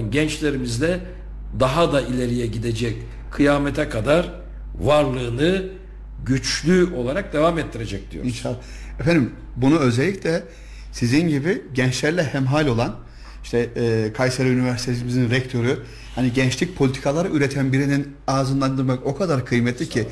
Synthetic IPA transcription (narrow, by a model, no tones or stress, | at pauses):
nɟɛnt͡ʃlʲe̞ɾimizd̪ɛ | d̪aɦad̪ailʲe̞ɾijɛɟid̪ed͡ʒɛc | kʰːɯjaːmɛt̪ʰɛkʰad̪aɾ | vaɾlˠɯːnɯ | ɟyt͡ʃlʲyo̞lˠaɾak̚d̪evamɛt̪ʰːiɾed͡ʒɛc̚d̪̥ijoinʃalˠːa | ɛfænd̪im | bunuø̞zɛlʲːicʲlʲɛ | sizinɟibiɟɛnt͡ʃlʲæɾlʲɛhæmɦaːlʲo̞lˠan | iʃt̪ʰɛːkʰajsaɾaynivæɾsit̪ʰes̬imizinɾɛc̚t̪ʰo̞ɾu | haniɟɛnt͡ʃlʲic̚pʰolʲit̪ʰi̥kʰalˠaɾɯʔyɾet̪ʰænbiɾinin | aːzɯnd̪and̪ɯmako̞kʰad̪aɾkʰɯjmɛt̪ʰʲlʲicʰi